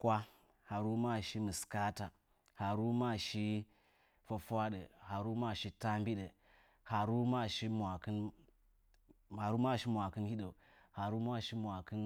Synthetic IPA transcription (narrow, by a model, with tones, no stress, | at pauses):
kʷa˦ | ha˨ɾu˦ma˦ʃi˦mɨ˨ska˦ta˨ | ha˨ɾu˦ma˦˨ʃi˦ | fə˨fʷa˦ɗə˨ha˨ɾu˦ma˦˨ʃi˦ta˦mbi˦ɗə˨ | ha˨ɾu˦ma˦ʃi˦mʷa˨kɨ˦n | a˨ɾu˦ma˦˨ʃi˦mʷa˨kɨ˦nhi˦ɗə˨ | ha˨ɾu˦ma˦˨ʃi˦mʷ˨a˨kɨ˦n